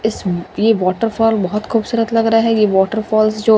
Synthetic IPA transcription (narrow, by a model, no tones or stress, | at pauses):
ɪsjeʋɔːʈəɾfʰɔːlbɐɦɔt̪xʰuːbsuɾət̪lɐɡɾɐaɦɛjeʋɔːʈəɾfʰɔːlsd͡ʒoː